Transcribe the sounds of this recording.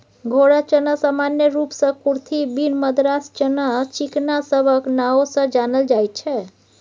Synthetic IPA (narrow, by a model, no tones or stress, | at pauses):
ɡʱoɽat͡ʃənasamanjəɾupsə̃kuɾt̪ʰibinməd̪ɾast͡ʃənat͡ʃiknasəbʱəknaosə̃d͡ʒanəld͡ʒajt̪̚t͡ʃʰɛ